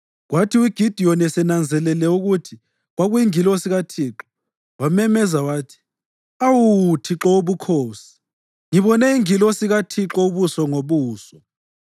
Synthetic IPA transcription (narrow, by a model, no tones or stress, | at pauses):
ɣwatʰiwiɡ̥ʱid̥ʱijɔnɛsɛnand͡zʱɛlɛlɛuɣutʰi | ɣwaɣujiŋilɔsiɣatʰiːǁɔ | wamɛmɛzawaːtʰi̥ | awutʰiǁɔuβukʰoːsi̥ | ŋiβɔnɛiŋilɔsiɣatʰiǁɔuβusɔŋoβuːsɔ